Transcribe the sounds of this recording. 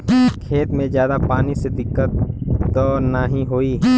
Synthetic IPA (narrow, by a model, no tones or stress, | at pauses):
kʰeːt̪mẽzjaːd̪apaːnised̪ɪkːət̪ːɔːnaɦĩɦoiɦɛː